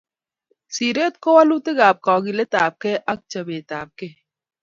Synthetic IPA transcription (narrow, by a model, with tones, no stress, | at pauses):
siː˨ɾeː˦t̪̚ko˦wɐ˦lu˦t̪e˦ɡaː˨p̚kɔː˨ɡi˨le˦t̪aː˨p̚ke˦ʔɐ˦k̚t͡ʃɐ˨beː˨t̪aː˨p̚ke˦